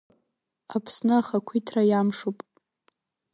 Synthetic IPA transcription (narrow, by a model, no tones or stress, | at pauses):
apʰsnɨaχakʷʰitʰrajamʂupʼ